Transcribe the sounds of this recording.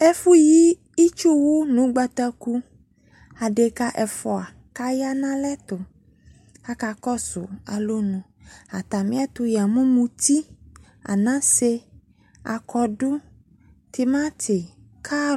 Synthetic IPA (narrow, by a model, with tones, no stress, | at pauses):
ɛ˦fu˦ji˦ | i˦t͡ʃo˦wo˦nũ˨˦ɡ͡ba˦t̪a˦ku˦ | a˨ɖe˨ka˦ʔɛ˨fɔ˨a˨ | ka˦ja˦nã˦lɛ˦t̪ʊ˨ | a˦ka˨kɔ˦sʊ̰˨a˨lo˦nũ˨ | a˨t̪a˨mĩ˦a˦t̪o˦ja˨mũ˦mũ˦t̪i˦ | a̰˨nã˦se˦ | a̰˨kʰɔ˦ɖo˦ | t̪i˨mã˦t̪ʰe˨ | kʰa˦